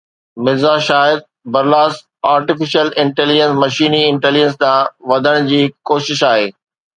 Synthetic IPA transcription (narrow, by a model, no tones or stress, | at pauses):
mɪzaʃaːɪd̪̚ | bɐɾlaːs | aːɾʈɪfɪʃəlɪ̃ɳʈeːlɪd͡ʑə̃nsmɐʃiːniɪ̃ɳʈeːlɪd͡ʑəns̬t̪ãːʋɐd̪ʱəɽ̃d͡ʑiːkoːʃɪʃaːɦeː